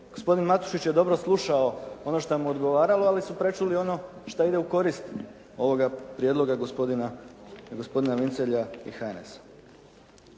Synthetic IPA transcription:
ɡ̥o̞spo̞d̪inmat̪u̥ʃit͡ɕje̞d̪o̞bɾo̞slˠuʃao̞o̞no̞ʃt̪amuod̪ɡo̞ʋaːɾalo̞alisupɾe̞t͡ʃulio̞no̞ʃt̪aid̪e̞uko̞ɾist̪ | o̞ʋo̞ɡapɾjed̪lo̞ɡaɡood̪inaɡo̞spo̞d̪inaʋint̪seʎaḭxanesḁ

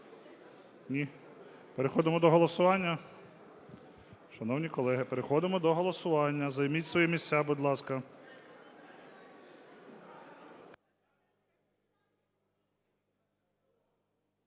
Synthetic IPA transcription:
nʲi | peɾexɔd̪ɪmɔd̪ɔɦɔlˠɔsʊʋɑnʲːɐ | ʃɐnɔwnʲikɔlˠɛɦɪpeɾexɔd̪ɪmɔd̪ɔɦɔlˠɔsʊʋɑnʲːɐzɐjmʲitʲsʋɔjɛmʲisʲtʲːabʊd̪ʲlˠɑskɐ

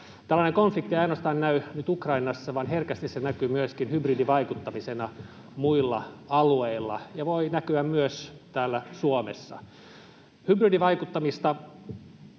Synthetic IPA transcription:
t̪ælːæːneŋkonflikt̪ːiɑinŏɑst̪ɑːnnæynyt̪ukrɑinɑsːɑʋɑnherkæst̪issenækyːmyøskinhybriːdiʋɑikut̪ːɑmisenɑ | muilːɑ̰ɑlueilːɑ̰jɑʋoinækyæmmyøst̪æːlːæsuomḛsːɑ̰ | hybriːdiʋɑikut̪ːɑmist̪ɑ

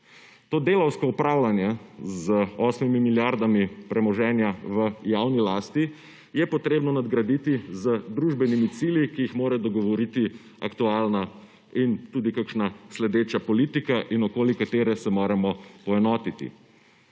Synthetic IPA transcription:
t̪oːd̪elɐwskɔupɾawlanjazəɔsmimimiljaɾd̪amipɾʔɛmɔʒɛːnjaʋəjawnilaːst̪i | jɛpɔt̪ɾeːbnɔnad̪ɡɾad̪iːt̪izəd̪ɾuːʒbɛnimit̪siːljikijixmoːɾɛd̪ɔɡɔʋɔɾit̪i | akt̪ualna | int̪uːd̪ikakʃnaslɛd̪eːt͡ʃapɔlit̪ikaʔinɔkoːlikat̪eːɾɛsɛmoːɾɛmɔpɔɛnɔːt̪it̪ḭ

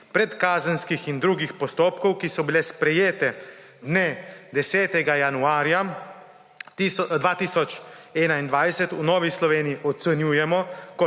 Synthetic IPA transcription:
pɾɛt̪kaːzənskixind̪ɾuːɡixpɔst̪oːpkɔwkisɔbilɛspɾɛjeːt̪ɛ | d̪ned̪ɛsɛːt̪ɛɡajanuaːɾja | d̪ʋaːt̪iːsɔt͡ʃɛːnaind̪ʋajsɛt̪unɔːʋislɔʋeːnijiʔɔt̪sɛnjuːjɛmɔkɔ

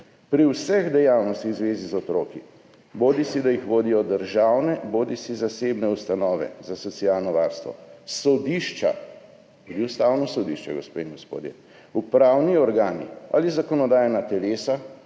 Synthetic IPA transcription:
pɾiwsɛɣd̪ɛjawnɔst̪ixzʋeːzizɔt̪ɾoːki | boːd̪isid̪ajixʋoːd̪ijɔd̪əɾʒawnɛboːd̪isizasebnɛust̪anɔːʋɛ̰zasɔt̪siaːlnɔʋaːɾst̪ʋɔ̰sɔd̪iʃt͡ʃa̰ | t̪uːd̪iust̪awnɔsɔd̪iʃt͡ʃɛɡospeiŋɡɔspo̰ːd̪jɛ | upɾawniɔɾɡaːnḭa̰lizakɔnɔd̪aːjɛnat̪ɛleːsa

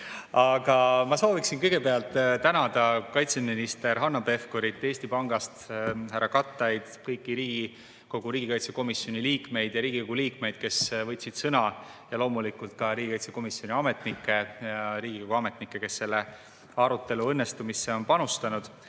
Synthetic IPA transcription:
ɑɡ̥ɑmɑso̞ːviksinkɤjɡ̥e̞peɑlt̪ːˑt̪ænɑd̪̥ɑkɑjt̪se̞minist̪e̞ɾɦɑnːɑpe̞fko̞ɾit̪ːˑe̞ːsʲt̪ipɑŋɡ̥ɑst̪hærːɑkɑt̪ːˑɑjd̪̥kɤjkːiɾiːɡ̥i | ko̞ɡ̥uɾiːɡ̥ikɑjt̪se̞ko̞misjo̞niliːkme̞jd̪̥jɑɾiːɡ̥iko̞ɡ̥uliːkme̞jd̪̥ke̞svɤt̪ʲːsid̪̥sɤnɑ | jɑlo̞ːmulikult̪̚kɑɾiːɡikɑjt̪se̞ko̞misjo̞niɑme̞t̪nikːˑe̞jɑɾiːɡ̥iko̞ɡ̥uɑme̞t̪nikːˑe̞ke̞sːe̞lːe̞ | ɑɾut̪ːe̞luɤnːest̪umise̞o̞npɑnust̪ɑnud̪̥

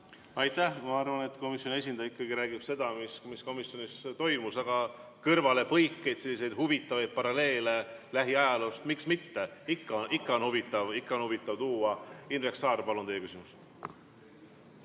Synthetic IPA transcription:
ɑjt̪ːæhmɑɑrvɑne̞t̪ːˑko̞misjo̞ne̞s̬ʲind̪̥ɑjikːˑɑɡiɾæːɡ̥ib̥se̞d̪̥ɑmismisko̞misjo̞nist̪o̞jmusɑɡ̥ɑ | kɤrvɑle̞pɤjkːe̞jd̪̥se̞lːis̬e̞jd̪̥huvit̪ːˑɑvejd̪̥̚pɑɾɑle̞ːle̞læɦiɑjɑlust̪miksmit̪ːe̞ikːɑnʔikːɑonhuvit̪ːˑɑvikːɑo̞nhuvit̪ːˑɑvt̪uːɑinɾeksɑːrpɑlot̪ejːekysimus

